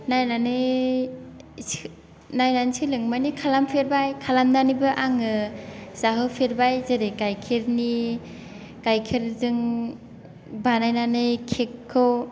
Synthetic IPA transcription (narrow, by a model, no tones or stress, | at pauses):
najnanɯj | najnansɯlɯŋmajnikʰalampʰeɾbajkʰalamdanibɯʔaŋɯzaɦɯpʰeɾbajzeɾekajkʰeɾni | kajkʰeɾdɯŋ | banajnanɯjkʰekʰːɯw